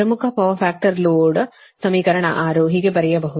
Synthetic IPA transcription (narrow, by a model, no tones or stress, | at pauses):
pɾɐmukʰɐpɐʋɐɾfʰaːk̚ʈɐɾloːɖ | sɐmiːkɐɾɐɳɐ̰ʔaːɾoːɦiɡebɐɾɛjɐbɐɦu